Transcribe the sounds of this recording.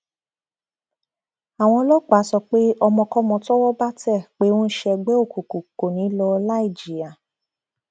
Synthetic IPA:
a˨w̃ɔ̃˧˦lɔ˦k͡pa˨˦sɔ˧k͡pe˦ɔ˧mɔ̃˧kɔ˦mɔ̃˧tɔ˦wɔ˦ba˦tɛ˦˨k͡pe˨˦wõ˦ʃɛ˧ɡ͡bɛ˦o˦˨ko˨ko˨ko˨nĩ˨˦lɔ˧la˦i˦˨d͡ʒi˨a˨

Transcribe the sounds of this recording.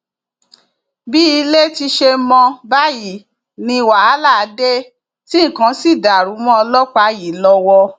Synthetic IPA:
bi˦i˧le˦ti˧ʃe˧mɔ̃˧ba˦ji˨ | nĩ˧wa˨a˨˦la˦˨˦de˦ | tĩ˦˨kã˨˦si˦˨da˨ɾu˨˦mɔ̃˦ɔ˧lɔ˦k͡pa˨˦ji˨lɔ˧wɔ˧

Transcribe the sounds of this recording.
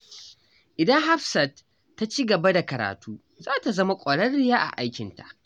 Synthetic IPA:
ʔɪ˨dɐ˦ŋɦa˦ɸsɐ˨tː | a˦t͡ʃiː˦ɡɐ˨ba˦da˨kɐ˨ɾa̰ː˨tʰuː˦ | zaː˦ta˨zɐ˦ma˦kʷʼɔ˨ɽɐ˦rɽɪ˦jaː˦ʔa̰˨ʔa˦jkʲɪ˨nta̰˨ʔ

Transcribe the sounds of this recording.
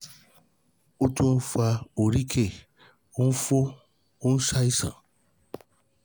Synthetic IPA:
o˦tu˦n̩˦fa˧o˨ɾi˦kʰe˦˨ | o˦n̩˦fo˦ | o˦n̩˦sa˦i˦sã̰˨

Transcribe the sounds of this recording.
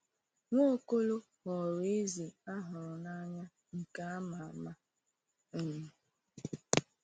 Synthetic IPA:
ŋʷo˦ko˦lo˦ | hɔ˨ɾe˦zi˨a˦ɦʊ˨ɾʊ˨na˦ɲa˦ | ŋ̩˨ka˦a˦ma˨a˨ma˦ | n̩˦˨m̩˨

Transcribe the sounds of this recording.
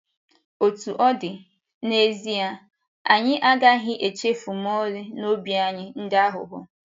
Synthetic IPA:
o˨tu˨ʔɔ˦dɪ˨ | ne˦zi˦a˦ | a˨ɲɪ˦ʔa˦ɡa˦ɦɪ˦ʔe˨t͡ʃe˦fu˨m˦ɔ˦lɪ˦no˦bi˦a˦ɲɪ˦n̩˦dɪ˦a˦ɦʊ̰˨ɦʊ̰˦

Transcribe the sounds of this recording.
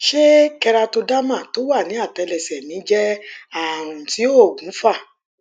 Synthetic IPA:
ʃe˦kɛ˧ɾa˧to˧da˦mã˦˨to˨˦wa˦˨nĩ˨˦a˦˨tɛ˧lɛ˨sɛ˨nĩ˨˦d͡ʒɛ˦a˦˨ɾ̃ũ˨ti˨˦o˦˨ɡũ˨˦fa˦˨

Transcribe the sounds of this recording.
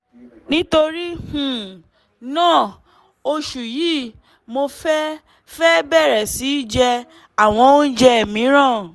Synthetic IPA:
nĩ˦to˧ɾi˦hũ˨ | nãː˦˨ | o˧ʃu˨ji˦ | mo˧fɛ˦ | fɛ˦bɛ˦˨ɾɛ˨si˨˦d͡ʒɛ˧ | a˨w̃ɔ̃˧˦o˦n̩˦d͡ʒɛ˧˨mĩ˨˦ɾ̃ã˦˨

